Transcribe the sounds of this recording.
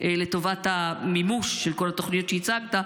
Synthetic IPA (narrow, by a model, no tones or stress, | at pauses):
le̞t̪o̞vat̪amimuʃːelko̞lat̪o̞χnijo̞t̪ʃeit͡saɡt̪a